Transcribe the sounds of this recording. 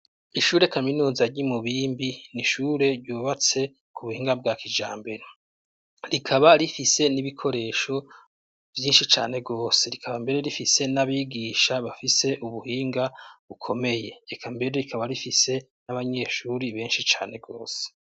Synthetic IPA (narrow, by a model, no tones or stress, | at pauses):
iʃuːɾe̞kaminuːzaɾɟimuβiːmbiniʃuːɾe̞ɾɟuːβat͡se̞ | kuβuhiːŋɡab̚ɡakid͡ʒa̰ːmbe̞ɾe | ɾikʰaβaɾifise̞niβikʰo̞ɾe̞ːʃo̞ | vjiːnʃit͡ʃa̰ːne̞ɡo̞ːse̞ɾikʰaβambe̞ɾe̞ɾifise̞naβiːɡiːʃaβafise̞ʔuβuhiːŋɡaβukʰo̞me̞je̞ːkʰambe̞ɾe̞ɾikʰaβaɾifise̞ | naβaɲe̞ːʃuːɾiβe̞ːnʃit͡ʃa̰ːne̞ɡo̞ːse̥